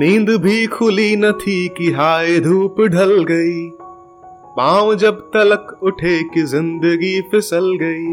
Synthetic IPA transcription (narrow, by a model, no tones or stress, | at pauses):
mĩːnd̪bʱikʰʊlinɐt̪ʰikiɦaːed̪ʱuːpɖʱɐlɡɐiː | pãːʋd͡ʒɐbt̪ɐləkʊʈʰeːkizɪ̃nd̪əɡipʰɪsəlɡɐiː